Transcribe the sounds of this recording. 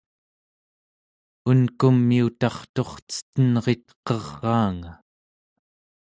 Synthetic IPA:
unkumːiut̪ɑχt̪o̞χt͡sə̥t̪ənʁe̞t̪qʌʁːɑːŋa

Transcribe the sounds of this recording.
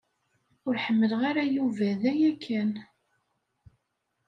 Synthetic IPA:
ʊɾħəmːəlʁaɾajuvæðæjækʰːæn

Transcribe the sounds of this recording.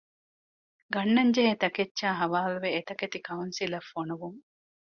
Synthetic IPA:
ɡɐnːɐɲd͡ʒeɦet̪ɐketːʃaːɦɐʋaːluʋeːt̪ɐket̪ikɐunsilɐfːonuʋuŋ

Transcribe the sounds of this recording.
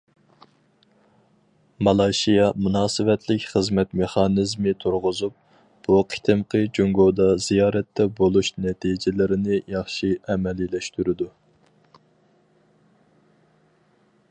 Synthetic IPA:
mɑlˠɑjʃijɑmunɑːsɨvɛt̪ʰlɪkʲχəzmɛt̪meχɑːnɪzmɪt̪ʰuɾʁʊzup̚ | b̥uqʰi̥t̪ʰɪmqʰəd͡ʒoŋɡod̪ɑzijɑːɾɛt̪ːɛbolˠuʃnɛt̪ʰid͡ʒɪlɪɾɪnɪjɑχʃiɛmɛlilɛʃt̪yɾɪd̪u

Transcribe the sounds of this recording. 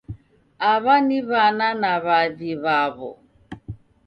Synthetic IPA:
aβaniβananaβaðiβaβɔ̰

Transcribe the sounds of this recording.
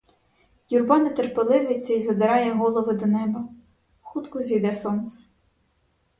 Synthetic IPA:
jurbɑnet̪erpelˠɪʋɪjt͡sʲːɐizɐd̪ɪɾɑjɛɦɔlˠɔʋʊd̪ɔnɛbɐ | xut̪kʊzʲijd̪ɛsɔnt̪sɛ̥

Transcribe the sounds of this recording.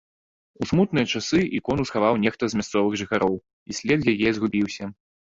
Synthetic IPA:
usmut̪nɨjɐt͡ʂasɨʔikɔnusxavawnʲɛxt̪ɐzmʲast̪sɔvɨɣʐɨxaɾʔɔw | isʲlʲɛd̪jajɛzɣubʲiwsʲɐ

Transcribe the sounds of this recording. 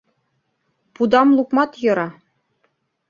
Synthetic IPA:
pud̪ɑmlˠukmɑt̪jɤ̆ɾɑ

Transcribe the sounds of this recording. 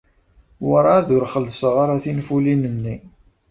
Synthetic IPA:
wəɾˤaðʊɾχəlːsəʁaɾaθinfulinənːi

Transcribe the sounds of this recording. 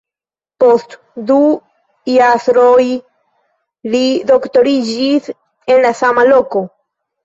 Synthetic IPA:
po̞st | du | jasɾoj | lido̞kto̞ɾid͡ʒis | e̞nlasamalo̞ko̞

